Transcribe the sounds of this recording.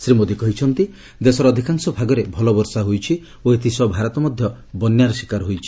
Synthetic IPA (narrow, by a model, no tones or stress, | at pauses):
sɾimod̪ikɔɦit͡ʃʰɔnt̪i | d̪esɔɾːd̪ʱikaŋsɔbʱaɡɔɾebʱɔlɔbɔɾsaɦojt͡ʃʰi | oet̪ʰisɔbʱaɾɔt̪ɔmɔd̪ʱjɔ | bɔnjaɾɔsi̥kaɾɦojt͡ʃʰi̥